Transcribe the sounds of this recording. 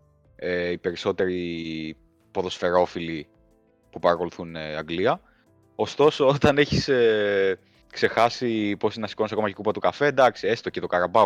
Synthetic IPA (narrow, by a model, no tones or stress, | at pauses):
eipe̞ɾiso̞t̪e̞ɾi | po̞ðo̞sfe̞ɾo̞fili | pupɐɾɐko̞luθuneɐŋɡliɐ | o̞st̪o̞so̞ot̪ɐne̞çise | kse̞xɐsipo̞sinɐsi̥ko̞nisɐko̞mɐckupɐt̪ukɐfe̞d̪ɐksiesi̥t̪ocet̪okɐɾɐbɐ